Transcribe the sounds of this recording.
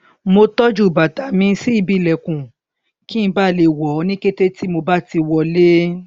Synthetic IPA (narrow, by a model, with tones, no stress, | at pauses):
mo˧tɔ˦d͡ʒu˦˨ba˨ta˨˦mĩ˧˦si˦i˦˧bi˦˨lɛ˨kũ˨ | kĩ˦˧ba˦˨le˧˨wɔ˨˦nĩ˦ke˦te˦ti˦mo˧ba˦ti˧wɔ˧˨le˦